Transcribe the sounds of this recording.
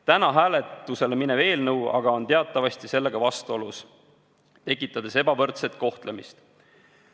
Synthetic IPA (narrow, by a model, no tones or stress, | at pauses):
t̪ænɑɦæːle̞t̪ːˑuse̞lemineve̞ːlnɤwɑ̰ɡɑo̞nt̪e̞ɑt̪ˑːɑvɑsʲt̪ise̞lːe̞ɡ̥ɑvɑst̪uo̞lus | t̪e̞kːˑit̪ˑːɑd̪̥e̞se̞bɑvɤrt̪se̞t̪̚ˑko̞ht̪le̞mist̪